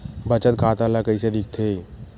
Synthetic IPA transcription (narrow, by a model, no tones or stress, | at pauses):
bət͡ʃət̪kʰaːt̪alakəised̪ɪk̚ʰt̪ʰeː